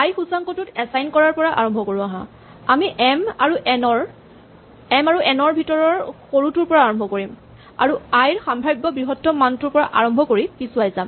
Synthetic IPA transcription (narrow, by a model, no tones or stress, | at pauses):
ajxusaŋkɔtʊtɛsajnkɔɹaɹpɔɹaʔa̰ɹɔmbʱɔkoɹuaɦã̰ | amiʔɛmaɹuʔɛnɔɹ | ɛmaɹuʔɛnɔɹbʱitɔɹɔɹxoɹutuɹpɔɹaːɹɔmbʱɔkoɹim | a̰ɹuajɹxambʱɹajbːɔbɹiɦɔtːɔmantuɹpɔɹaʔaɹɔmbʱɔkoɹikisuajzam